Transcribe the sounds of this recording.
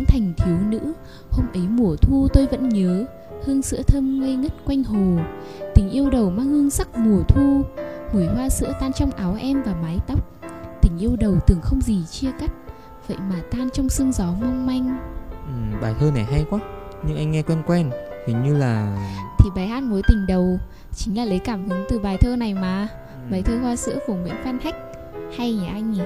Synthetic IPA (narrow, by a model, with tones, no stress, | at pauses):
ŋt̪ʰa˨˩jŋ̟t̪ʰi˨˦əwnɨ̰˧˥ | ho˧mʔə˨˦jmu˨˩ət̪ʰu˧t̪o˧jvə̰˧˥nɲəː˨˦ | hɨ˧əŋsɨ̰˧˥ət̪ʰə˧mŋə˧jŋə˦˥t̚kwa˧jŋ̟ɦo˨˩t̪ï˨˩ŋ̟ʔi˧əwɗə˨˩wmaː˧ŋhɨ˧əŋsa˦˥k̚mu˨˩ət̪ʰu˧mu˨˧˩jhwaː˧sɨ̰˧˥ət̪aː˧nt͡ɕɔ˧wŋ͡mʔaː˨˦wʔɛ˧mvaː˨˩maː˨˦jt̪a˦˥wk͡p̚t̪ï˧˩ŋ̟ʔi˧əwɗə˨˩wt̪ɨ˨˩əŋxə˧wŋ͡mzi˨˩t͡ɕi˧əka˦˥t̚ | və̰˧˨jmaː˨˩t̪aː˧nt͡ɕɔ˧wŋ͡msɨ˧əŋzɔ˨˦mə˧wŋ͡mma˧jŋ̟ʔɨ˨˩ɓaː˨˩jt̪ʰəː˧na˨˩jɦa˧jkwaː˦˥ɲɨ˧ŋʔa˧jŋ̟ŋɛ˧kwɛ˧nkwɛ˧nhi˨˩˦ɲɨ˧laː˨˩t̪ʰi˨˩ɓaː˨˩jhaː˦˥t̚mo˨˦jt̪ï˨˩ŋ̟ɗə˨˩w | t͡ɕï˨˦ŋ̟laː˨˩lə˨˦jkaː˧˩mhɨ˨˦ŋt̪ɨ˨˩ɓaː˨˩jt̪ʰəː˧na˨˩jmaː˨˩ | ɓaː˨˩jt̪ʰəː˧hwaː˧sɨ̰˧˥əku˧˩əŋwḭ˧˨˥ənfaː˧nha˦˥jk̟̚ | ha˧jɲa˨˩ʔa˧jŋi˨˩